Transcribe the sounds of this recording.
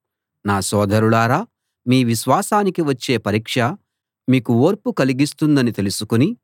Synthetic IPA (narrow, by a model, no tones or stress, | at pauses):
naːsɔːd̪ʱɐɾuɭaːɾaː | miːʋiʃʋaːsaːnikiʋɐt͡ʃːe̞ːpɐɾiːkʂɐ | miːkuoːɾpukɐliɡist̪und̪ɐnit̪elusukuni